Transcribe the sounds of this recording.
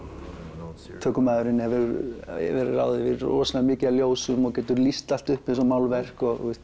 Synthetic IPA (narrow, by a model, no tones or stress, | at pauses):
t̪ʰœːkʏmaðʏɾɪnɛvɪɾɛ̰vɪɾra̰ːwðɪvɪðrɔ̰ːsalamɪːcɪaljoːwsʏmɔɣcɛːt̪ʏɾlist̪al̥t̪ʏhpɪs̬ɔmaːwlvɛr̥kɔɣɛ